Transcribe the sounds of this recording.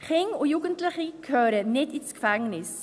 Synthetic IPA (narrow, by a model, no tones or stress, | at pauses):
χɪŋʊjuːɡəntlɪχikʰøːɾənɪtiskfɛŋnɪs